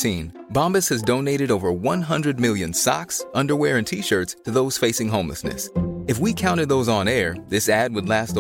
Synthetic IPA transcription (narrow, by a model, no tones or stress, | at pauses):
sĩn | bɑ̃mbɨshɨzdõʊ̃neɪɾɨɾoʊvə˞wʌ̃nɦʌ̃ndɹɨd̚mɪlˠjɨ̃nsɑ̰ksʌ̃ndə˞wɛɹɨ̃ntʰiʃɜ˞tstʰɨðoʊz̥feɪsɪ̃ŋɦõʊ̃mlə̰snɨ̰sɨfwikʰãʊ̃ɾ̃ɨd̪̚ðoʊzn̩ɛɹðɪsæd̚wədˡlæst